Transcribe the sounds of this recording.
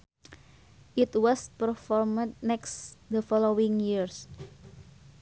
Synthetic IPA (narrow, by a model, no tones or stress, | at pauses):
ʔit̪wɔspəɾfɔɾməd̚nɛksd̪əfɔlowiŋjiɾs